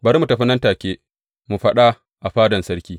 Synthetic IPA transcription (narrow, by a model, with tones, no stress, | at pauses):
bɐ˨ɾmu˨tɐ˨ɸi˦nɐ˦ntaː˨kʲeː˦ | mu˨ɸɐ˦ɗa˦ | ʔa˨ɸaː˦dɐ˨nsɐ˦ɽkʲiː˦